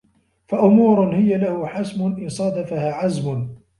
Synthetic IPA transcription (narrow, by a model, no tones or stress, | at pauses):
faʔʊmuːɾʊnhɪjalahʊħasmʊnʔɪnsˤɑd̪afahaːʕazmʊn